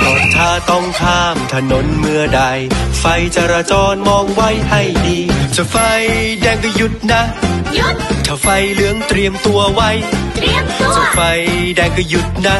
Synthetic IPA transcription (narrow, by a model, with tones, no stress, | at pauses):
lɔː˨˩t̪ʰːaː˧˩t̪ɔ˧˩ŋt̪ʰaː˧˩mt̪ʰa˧no˨˦nmɯ˧əda˧jfa˧jt͡ɕa˧ɾaː˧t͡ɕɔː˧nmɔː˧ŋwa˦˥˩jha˥˩jdiː˧t͡ɕa˧˩fa˧jdɛː˧ŋkɔ˧˩ju˦˥t̪̚na˦˥ | t̪ʰa˧˩fa˧jlɯ˦˥əŋt̪ɾi˧əmt̪u˧ɐwa˦˥jɾi˧ə˧t͡ɕa˧˩fa˧jdɛː˧˩ŋkːju˦˥t̪̚na˦˥